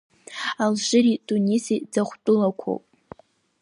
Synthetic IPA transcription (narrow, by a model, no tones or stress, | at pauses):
alʒɪɾidʼunisid͡zaχʷt͡pʼʊlakʷʰo̰wpʼ